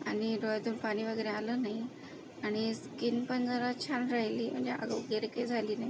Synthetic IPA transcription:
aniɾɔjd̪ʱunpaɽ̃iʋəɡeːɾẽaləːnaɦi | aɽ̃iskinpənd͡zəɾat͡ɕʰanɾəɦiliːm̤ə̃ɳd͡ʑeʔa̰ɡɡeɾked͡zʱaliːnai

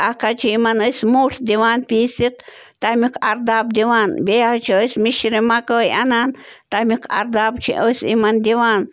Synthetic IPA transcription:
ʔakat͡ʃʰiimanojsmuɬd̪iwanpisiq̚ | t̪amikʰaɾd̪aːb̚d̪iwanbeaht͡ʃʰiojsmiʃɾimakojanant̪amikʰa̰ɾd̪aːb̚t͡ʃʰḭʔojsḭmand̪iwan

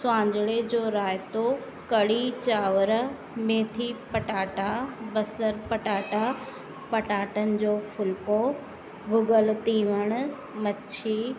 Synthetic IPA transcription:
sʊãːɲd͡ʑɽed͡ʑoːɾaːjt̪o | kɐɽit͡ɕaːʋəɾ | mẽːt̪ʰipɐʈaːʈabɐsəɾpɐʈaːʈa | pɐʈaːʈənɪ̆d͡ʑoːfʊlko | bʱʊɡəlt̪iːʋəɽ̃ | mɐt͡ɕʰiː

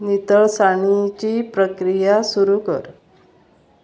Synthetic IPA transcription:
nit̪əɭsaɳ̃it͡ɕiːpɾəkɾijasuɾukə̰ɾ

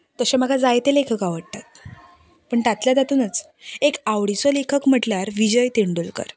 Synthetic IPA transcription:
t̪əɕaməɡʱad͡zajt̪elekʰəkaʋəɽt̪at̪̚ | pəɳʈ̪at̪ljad͡z̪at̪uːnət͡s | ekaʋɽisɔlekʰəkm̤əʈljaɾʋid͡ʑəjt̪eɳɖulkə̰ɾ

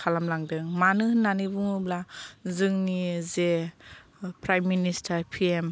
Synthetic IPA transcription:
kʰalamlaŋdɯŋmanɯnanibuŋublazɯŋnize | pɾajmːinistʰaɾpʰiem

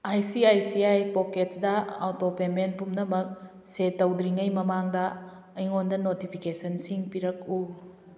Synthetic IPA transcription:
ajsiajsiajpoketdɐawtopemen̚pumnɐmɐk̚ | setːɐwdɾiŋɐjmɐmaŋdɐ | ɐjŋondɐnotipʰikesɐnsiŋpiɾɐk̚u

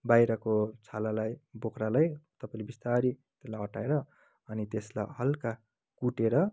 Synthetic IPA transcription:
bajɾʌkot͡sʰalalajbokʰɾalajt̪ʌpaĩlebist̪aɾit̪eslajɦʌʈaeɾʌ | ʌnit̪esla̰jɦʌlka | kuʈeɾʌ

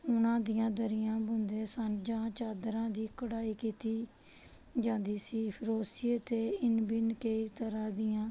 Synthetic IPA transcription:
ʊnãːd̪ɪjãːd̪əɾɪjãːbʊnd̪eːsənd͡ʒãːt͡ʃaːd̪ɾãːd̪iːkəɽaːiːkiːt̪iː | d͡ʒãːnd̪iːsiːpʰɾoːsɪeːt̪eːɪnbɪnkəiːt̪əɾãːd̪ɪjãː

